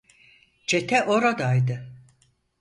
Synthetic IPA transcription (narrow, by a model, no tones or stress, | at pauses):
d͡ʒet̪ʰɛʔoɾad̪ajd̪ɯ